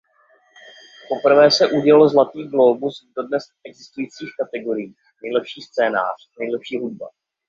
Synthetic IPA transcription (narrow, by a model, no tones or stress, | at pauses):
po̞pr̩vɛːsɛʔuɟɛlalozlat̪iːɡlobusdodnɛs | ɛɡzɪst̪ujiːt͡siːxkat̪ɛɡo̞ɾɪjiː | nɛjlɛpʃiːst͡sɛːna̰ːr̝̥nɛjlɛpʃiːɦud̚ba̰